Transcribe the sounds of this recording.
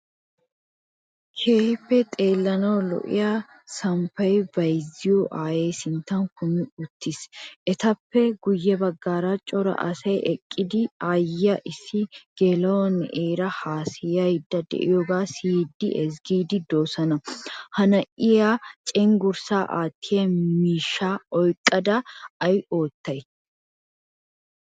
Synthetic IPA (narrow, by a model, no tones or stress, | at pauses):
kʰeːhɪpːɛt̪ʼe̞ːlːɐnɐwlɔ̰ʔɪ̰ja | sɐmpɐjbɐjzɪjuʔaːjeːsɪnt̪ːɐnkʊmɪʊt̪ːɪsʔɛt̪ɐpːɛɡʊjːɛbɐɡːaːɾat͡ʃʼɔɾɐ̰ʔɐ̰sɐjʔɛkʼːɪd̪ɪajːɐʔɪsːɪɡ̥eːlɐwɔnːʔeːɾɐhaːsɪjɐjɪd̪ːɐd̪ɛ̰ʔɪjɔɡaːsid̪ːɪ̰ʔɛzɡiːd̪ɪd̪o̞ːsɐnɐhɐnɐʔɪjat͡ʃʼɛŋɡʊɾsaːʔa̰ːt̪ːɪjɐmmiːʃːaːɔjkʼːɐd̪ɐɐjo̞ːt̪ːɐj